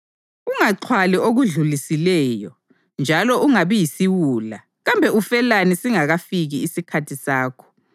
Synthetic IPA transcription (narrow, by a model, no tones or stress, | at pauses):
uŋaǀʰwalɛʔoɣuɮulisilɛːjɔ | nd͡ʒʱalɔʔuŋaβɛjisiwuːla | ɣambʱɛufɛlanisiŋaɣafiɣiːsikʰatʰisaːkʰɔ̥